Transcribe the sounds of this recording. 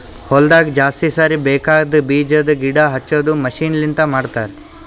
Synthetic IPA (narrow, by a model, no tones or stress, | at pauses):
hɔld̪aːɡid͡ʒaːst̪isaːɾibeːkaːɡd̪biːd͡ʒɐd̪ɐɡiɽaːɦɐt͡ʃːoːd̪umɐʃiːnlint̪ɐmaːɖt̪aːɾe